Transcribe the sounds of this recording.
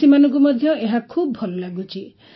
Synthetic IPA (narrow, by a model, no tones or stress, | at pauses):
imanɔ̃ŋk̬umɔd̪ʱjɔeɦakʰubɔbʱɔlɔlaɡut͡ʃʰi